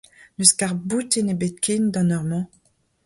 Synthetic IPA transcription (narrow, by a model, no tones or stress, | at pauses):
nyskaʁbut̪enebɛt̪̚kʰʲind̪ɑ̃nɔʁmɑ̃